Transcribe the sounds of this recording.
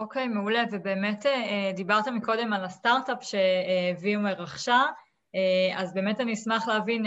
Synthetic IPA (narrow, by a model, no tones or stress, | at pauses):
oke̞jmeulevebeːmeteed̪ibaʁt̪emiko̞de̞malastaʁtapʃe̞ːviumeʁaχʃa | eazbe̞ːmetaniismaχleavin